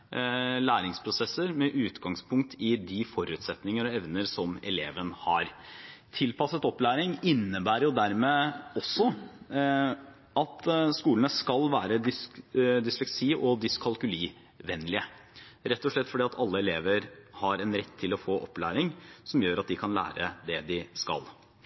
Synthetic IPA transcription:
læːɾɪŋspʰɾʊsɛsəɾmɛʔʉːt̪ɡɑŋspʰʊŋk̚t̪ʰɪd̪ɪfɔɾʉːt̪sɛt̪nɪŋəɾɔɛʋnəɾsɔmɛleːʋənhɑɾt̪ʰɪlpɑsət̪ɔplæːɾɪŋɪnːəbæːɾəɾjʊd̪æɾmeːɔsːɔ | ʔɑt̪skuːlənəskɑlʋæːɾəd̪ɪsd̪ɪslɛksiːʔɔd̪ɪskʰɑlˠkʉliː | ʋɛnːlɪəɾɛt̪ːɔʂɭɛt̪ːfɔɖiːɑt̪ʰɑlːəɛleːʋəɾhɑɾɛnɾɛt̪ʰːɪlɔfoːʔɔpːlæ̰ːɾɪŋsɔmjøːɾɑt̪̚d̪ɪkʰɑnlæ̰ːɾəd̪ɛd̪ɪskɑ̰l

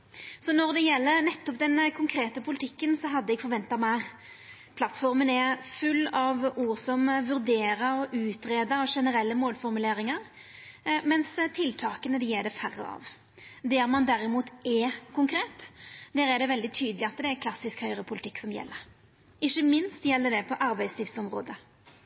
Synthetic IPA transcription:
sɔnɔʁd̪ɛjɛlːəɾnɛt̪ːɔp̚d̪ɛnkʰʊŋkʰɾeːt̪əpʰʊlɪt̪ʰɪkːənsɔɦɑd̪ːəɛɡ̥fɔɾʋɛnt̪ɑmæɾ | pʰlɑt̪ːfɔɾmənɛfʉlːɑʋuːʁsɔmʋʉɾd̪eːɾəɔʔʉːt̪ɾeːd̪əɑʂɛnəɾɛlːəmoːlfɔɾmʉleːɾɪŋɑɾ | mɛnst̪ʰɪlt̪ʰɑːkənəd̪ɛjɛːɖɛfæɾːə̰ɑ̰ʋ | d̪ɛɾmɑnd̪æɾɪmuːt̪ɛkʰʊŋkʰɾeːt̪d̪æːɾɛɾɖ̪ɛʋɛld̪ɪt̪ʰyːd̪əlɪɑt̪ːd̪ɛæɾkʰlɑsːɪskhœʏɾəpʰʊlɪt̪ʰɪkːsɔmjɛ̰lːəɾ | ʔɪçːəmɪnst̪jɛlːəɖɛpʰɔʔɑɾbæɪsliːfsɔmʁo̰ːd̪ə

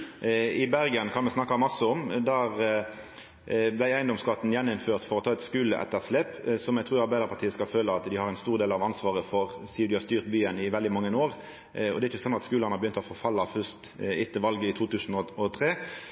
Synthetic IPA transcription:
ɪbæɾɡənkʰɑnʋɛsnɑkːɑmɑsəɔmd̪æːʁ | blæɪæɪnd̪ɔmskɑːt̪ːnjɛnːʊmføːʁt̪fɔɾɔt̪ʰɑːɛt̪skʉːləʔɛ̰t̪ːəʁslɛpsɔmjɛɡt̪ɾʉːɾɑɾbæɪd̪əɾpʰɑʁt̪ʰiːəskɑlføːləɑt̪d̪ɪhɑɾɛɪnst̪uːʁd̪eːlɑʋɑnsʋɑːʁəfɔʁsiːʊd̪ɪhɑst̪yːʁt̪byːənɪʋɛld̪ɪmɑŋːənoːʁ | ɔ̰d̪ɛæɪt͡ʃːçəsɔnːɑt̪skʉːlənɑɾbjʏnt̪ɔfɔɾfɑlːɑfœst̪ɪt̪ːəʋɑlɡəɪt̪ʰuːt̪ʉːsnɔɔt̪ʰɾeː

